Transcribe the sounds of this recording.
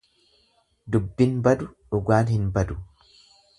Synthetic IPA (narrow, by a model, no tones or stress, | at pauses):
d̪ʊbːɪnbɐd̪ʊᶑʊɡaːnhɪnbɐd̪ʊ̥